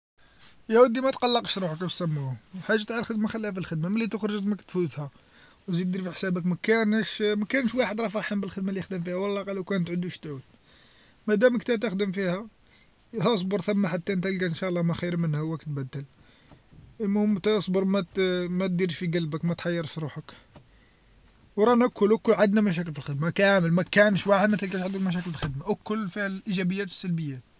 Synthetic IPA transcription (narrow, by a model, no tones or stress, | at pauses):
jæwəd̪imæt̪qɑlːɑqʃɾˤuħəkb̪sæmːuħaʒːat̪ʕallxəd̪maxəlːææfilxəd̪maməlːit̪əxɾʒəzməkt̪fut̪hæ | wzit̪d̪iɾfiħsæbəkmækænʃmækænʃwaħəd̪ɾˤɑfɑɾˤħəmbəlxəd̪malijəxd̪əmfihæwɑlːɑqɑlːəwkænət̪ʕəd̪uʃt̪ʕud̪̥̚ | mæd̪æməkt̪æt̪æxd̪əmfihæ | hæs̬ˤbəɾˤθæmːaħat̪ːæʔənt̪ælɡænʃæʔlˤːɑmæxiɾmənːhæhwːækt̪bæd̪ːəl | əlmʊmt̪æsˤbəɾˤmæt̪mæt̪̚d̪iɾʃfiɡælbəkmæt̪ħɑjːɑɾˤfiɾuħək | wɾˤɑnʔækʰːʊlækːʊlʕad̪næmæʃ̬æk̬əlfilxəd̪makæməlmækænʃwaħəd̪mət̪əlkæʃʕad̪ulmæʃ̬ækəlfilxəd̪maʔækːʊlːfihæʔiʒæbəjːæt̪fi̥sːælbəjːæt̪